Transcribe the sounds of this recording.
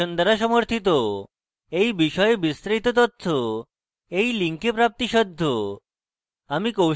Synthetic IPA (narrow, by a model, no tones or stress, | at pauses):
ɔnd̪əɾaʃɔmɔɾt̪ʰit̪ɔ | ejbiʃɔjebist̪ɾejt̪ɔt̪ɔt̪ʰːo | ejliŋkepɾap̚t̪iʃɔd̪ʱːo | amikow